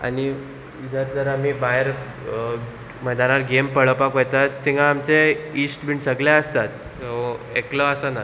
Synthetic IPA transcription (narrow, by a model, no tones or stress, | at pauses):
a̰ni | d͡zəɾd͡zəɾamibaɦɾ | məd̪añaɾɡempəɭəpakojt̪at̪ːiŋɡaːmt͡seisʈbiɳsəɡlaəst̪at̪̚ | oeklɔəsana